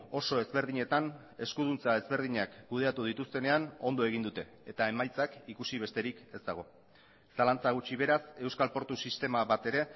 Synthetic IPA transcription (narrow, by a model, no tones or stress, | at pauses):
o̞so̞e̞zβe̞ɾð̞iɲe̞t̪an | e̞skuð̞unt͡sae̞zβe̞ɾð̞iɲakkuð̞e̞at̪uð̞it̪ust̪e̞ne̞ano̞nd̪o̞e̞ɣ̞ind̪ut̪e̞ːt̪ae̞majt͡sakikusiβ̞e̞st̪e̞ɾike̞zd̪aɣ̞o̞ | salant͡saɣ̞ut͡ʃiβ̞e̞ɾase̞wskalpo̞ɾt̪usist̪e̞maβat̪e̞ɾe̞